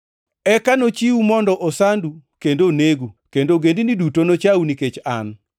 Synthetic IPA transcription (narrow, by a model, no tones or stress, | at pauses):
ɛkanot͡ʃiwumɔndɔʔosandukendoneɡukendoɡendinidutonot͡ʃawuniket͡ʃa̰n